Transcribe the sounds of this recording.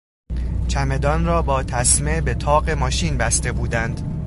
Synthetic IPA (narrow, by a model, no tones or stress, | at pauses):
t͡ʃʰæme̞d̪ɒːnrɒːbɒːt̪ʰæsmebe̞t̪ʰɒːɢe̞mɒːʃiːnbæst̪e̞buːd̪ænd̪̥